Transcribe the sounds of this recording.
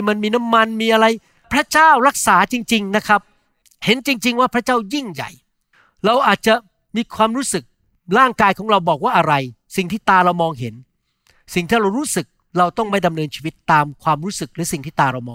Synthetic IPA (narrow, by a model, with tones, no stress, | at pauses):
ma˧nmiː˧na˦˥mːa˧nmiː˧ʔa˧ɾa˧j | pʰɾa˦˥t͡ɕaː˥˩wɾa˦˥k̚saː˩˦t͡ɕi˧ŋt͡ɕi˧ŋna˦˥kʰɾa˦˥p̚ | he˨˩˦nt͡ɕi˧ŋt͡ɕi˧ŋwaː˥˩pʰɾa˦˥t͡ɕaː˥˩wji˥˩ŋja̰˨˩j | ɾa˧wʔaː˨˩t̪̚t͡ɕa˨˩ | miː˧kʰwaː˧mɾuː˦˥sɯ˨˩k̚ | ɾaː˥˩ŋkaː˧jkʰɔː˩˦ŋɾa˧wbɔː˨˩k̚waː˥˩ʔa˧ɾa˧j | si˨˩ŋt̪ʰiː˥˩t̪aː˧ɾa˧wmɔː˧ŋɦe˩˦n | si˨˩ŋt̪ʰaː˥˩ɾa˧wɾuː˦˥sɯ˨˩k̚ | ɾa˧wt̪ɔ˥˩ŋma˥˩jda˧mnɤː˧nt͡ɕʰiː˧wi˦˥t̪ːaː˧mkʰwaː˧mɾuː˦˥sɯ˨˩k̚ɾɯː˩˦si˨˩ŋt̪ʰiː˥˩t̪aː˧ɾa˧wmɔː˧ŋ